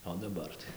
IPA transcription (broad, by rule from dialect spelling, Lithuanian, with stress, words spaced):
oː dɐˈbɐr tɐɪ